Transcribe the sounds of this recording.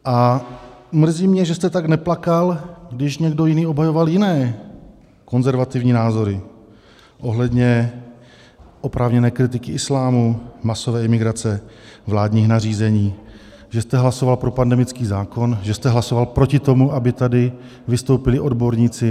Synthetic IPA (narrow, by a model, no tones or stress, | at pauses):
ʔa | mr̩ziːmɲɛʒɛst̪ɛt̪aɡnɛplakalɡdɪʃɲɛɡdo̞jɪniːo̞bɦajovaljɪnɛː | ko̞nzɛɾvat̪ɪvɲiːnaːzo̞ɾɪ | ʔo̞ɦlɛdɲɛ | ʔo̞pɾʔaːvɲɛnɛːkɾɪt̪̬ɪkɪʔɪslaːmumaso̞vɛːɪmɪɡɾat͡sɛvlaːdɲiːxnariːzɛɲiː | ʒɛst̪ɛɦlaso̞valpɾo̞pandɛmɪt͡skiːzaːko̞nʒɛst̪ɛɦlaso̞valpɾo̞cɪt̪o̞muʔabɪt̪adɪ | vɪst̪o̞wpɪlɪʔo̞dbo̞ɾɲit͡sɪ